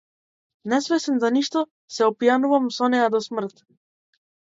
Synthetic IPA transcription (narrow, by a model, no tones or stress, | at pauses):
nɛsvɛsɛnzaniʃt̪ɔ | sɛɔpjanuvamsɔnɛjad̪ɔsmr̩t̪